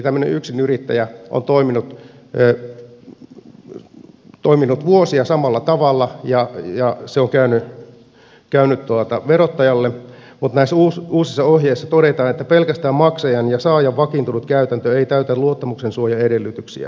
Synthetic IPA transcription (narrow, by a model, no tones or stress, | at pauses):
t̪æmːø̆nḛʔyksinyrit̪ːæ̰jæʔo̰nt̪oiminut̪ː | t̪oiminut̪ʋuosiɑsɑmɑlːɑt̪ɑʋɑlːɑjɑjɑseoŋkæyny | kæynyt̪t̪uɑt̪ɑʋerot̪ːɑjɑlːe | mut̪næisuːsuːsisːɑohjeisːɑt̪oɾet̪ɑːnet̪ːæpelkæst̪æːmmɑksɑjɑnjɑsɑːjɑʋʋɑkint̪unut̪kæyt̪ænt̪øeit̪æyt̪æluot̪ːɑmuksensuojɑedelːyt̪yksḭæ̰